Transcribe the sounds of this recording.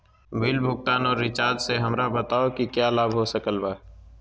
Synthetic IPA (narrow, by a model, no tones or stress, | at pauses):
bɪlbʱʊk̚t̪aːnɔːɾːɪt͡ʃaːɾd͡ʒseɦɐmɾabət̪aːokikjalaːbʱɦosəkəlba